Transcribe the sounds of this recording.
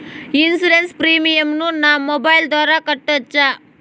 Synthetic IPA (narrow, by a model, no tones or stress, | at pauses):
insiɾenspɾiːmijɐmnunaːmobɐjld̪ʋaːɾakɐʈːɐt͡ʃːa